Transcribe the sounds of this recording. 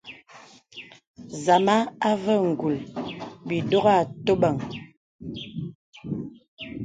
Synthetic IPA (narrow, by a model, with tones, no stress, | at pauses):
za˨ma˦a˦və˦˨ŋ̩˨ɡu˨lbi˨do˦ɣa˦˨to˦ɓə˨ŋ